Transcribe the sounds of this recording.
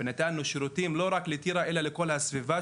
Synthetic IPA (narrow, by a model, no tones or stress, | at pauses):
nat̪aːnːuʃɾut̪imloɾaklit̪iɾaʔɛlalekolhasviva